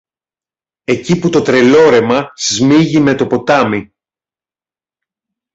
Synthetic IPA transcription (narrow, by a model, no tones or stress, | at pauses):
e̞ciput̪o̞t̪ɾe̞lo̞ɾe̞mɐzmiʝime̞t̪o̞po̞t̪ɐmi